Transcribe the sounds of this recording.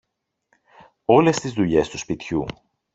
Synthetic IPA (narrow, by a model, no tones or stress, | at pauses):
o̞le̞st̪izðuʎe̞st̪uspit̪çu